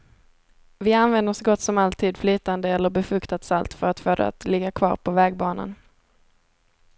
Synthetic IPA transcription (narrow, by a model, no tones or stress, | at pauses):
vɪanvɛnd̪əsɡɔt̪ːsɔmalt̪ʰiːd̪flyːt̪and̪əɛlːəɾbɛfɵkt̪at̪salt̪fœɾat̪foːd̪ɛ̰a̰t̪lɪɡːakʰvɑ̰ːɾpʰɔvɛːɡ̚bɑːna̰n